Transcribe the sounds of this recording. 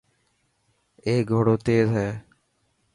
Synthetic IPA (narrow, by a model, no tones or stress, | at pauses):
eːɡʱoɽoːt̪eːzɦɛː